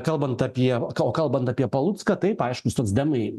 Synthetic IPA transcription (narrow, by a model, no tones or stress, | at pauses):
kɐlˠbɐnt̪ɐpʲiɛkoːkɐlˠbɐnt̪ɐːpʲiɛpɐlˠut̪skɐt̪ɐɪpɐɪʃkʊst̪oːksd̪ʲɛmɐɪ